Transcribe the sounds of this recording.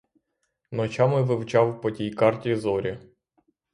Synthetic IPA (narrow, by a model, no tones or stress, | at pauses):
nɔt͡ʃʲɑmɪʋɪwt͡ʃɑwpɔtʲijkɑrtʲizɔɾʲi